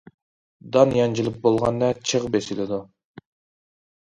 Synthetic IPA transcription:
d̪ɑnjɑnd͡ʒilˠɪp̚bolˠʁɑnːɛt͡ʃʰəʁbesɪlɪd̪u

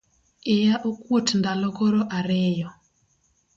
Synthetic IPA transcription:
ejaʔokwotndalɔkɔɾɔʔaɾejɔ

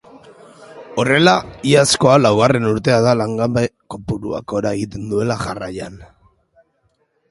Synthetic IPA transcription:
o̞re̞laiasko̞alawɣare̞nuɾt̪e̞aðalaŋɡabeko̞puɾua̰ko̞ɾae̞ɣit̪e̞nd̪ue̞laʝarajan

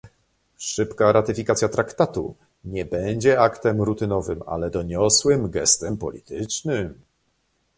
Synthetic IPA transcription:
ʂɘpkaɾat̪ɘfʲikat̪sʲjat̪ɾakt̪at̪ṵ | ɲɛbɛɲd͡ʑɛakt̪ɛmɾut̪ɘnɔvɘma̰lɛd̪ɔɲɔswɘmɡɛ̰st̪ɛmpɔ̰lʲḭt̪ɘt͡ʂnɘm

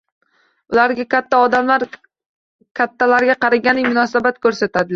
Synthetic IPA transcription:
ʊlaɾɡʲakʲat̪ʰːaɒd̪amlaɾ | kʲʰat̪ʰːalaɾɡʲaqɑɾaɡʲanɪmʊnɒsabat̪̚kʰɵɾsat̪ʰad̪ɪ

